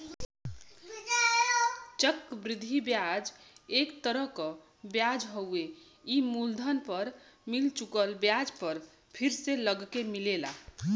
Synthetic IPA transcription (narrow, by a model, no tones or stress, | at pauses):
t͡ʃəkbɾid̪ʱːibjad͡ʒekt̪əɾəɦkɔ | bjad͡ʒɦəwe | imuld̪ʱənpəɾmilt͡ʃukəlbjad͡ʒpəɾ | pʰiɾseləɡkemilela